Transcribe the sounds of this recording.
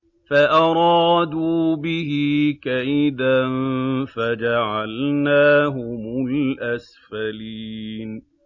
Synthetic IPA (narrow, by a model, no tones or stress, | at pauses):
faʔɑɾˤɑːd̪uːbɪɦɪkaʔɪd̪anfad͡ʒaʕalnaːɦʊmʊlʔas | faliːn